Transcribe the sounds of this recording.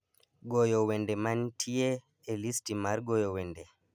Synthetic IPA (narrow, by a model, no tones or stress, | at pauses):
ɡɔjɔwɛndɛmantʰijɛː | listimaɾɡɔjɔwɛndɛ